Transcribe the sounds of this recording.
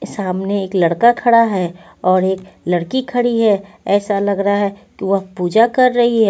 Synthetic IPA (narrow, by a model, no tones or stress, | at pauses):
saːmneeːklɐɽkakʰɐɽaɦɛ | ɔːɾeːklɐɽkikʰɐɽiɦɛ | ɛːsalɐɡɾɐɦaɦɛkiʋɐɦpuːd͡ʒakɐɾːɐɦiɦɛː